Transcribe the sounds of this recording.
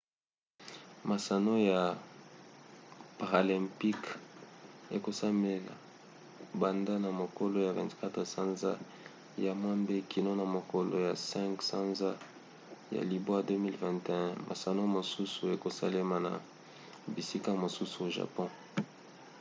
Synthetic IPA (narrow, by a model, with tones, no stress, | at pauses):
ma˨sa˨no˦ja˨ | pa˨ʁa˨lɛ̃˨mpi˦k | e˨ko˨sa˦me˨la̰˨ | ba˨nda˦na˨mo˨ko˦lo˦ja˨vɛ̰̃˨ntka˦tʁsã˦nza˦ | ja˨mwa˦mbe˦kʰi˨no˦na˨mo˨ko˨lo̰˨ja˨sɛ̃˦ŋksã˦nza˦ | ja̰˨li˨bo˦a˦dø˦mi˦lvɛ̃˨nte˨ɛ̃˦mʔa̰˨sa˨no˦mo˨su˦su˨e˨ko˨sa̰˦le˦ma˨na̰˨ | bi˨si˦ka˦˨mo˨su˦su˨o˨ʒa̰˨pɔ̃˦